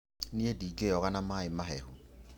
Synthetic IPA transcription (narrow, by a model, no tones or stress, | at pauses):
nɪedikʼejɔkʼanamaɪmaɦɛːhʊ